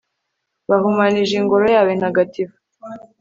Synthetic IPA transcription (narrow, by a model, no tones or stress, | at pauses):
βahumaniʒiŋɡo̞ɾo̞jaːβenhaɡativu